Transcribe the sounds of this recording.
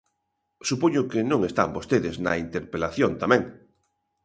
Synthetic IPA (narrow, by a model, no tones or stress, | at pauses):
supoɲʊkenõŋest̪a̰mbost̪eðɪznɐ̰int̪eɾpelaθjont̪amẽŋ